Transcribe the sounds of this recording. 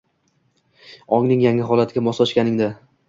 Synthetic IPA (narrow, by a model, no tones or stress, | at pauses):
ɒŋnɪŋjaŋɪɦɒlˠat̪ʰɪɡʲamɒslˠɒʃkʲanɪŋd̪a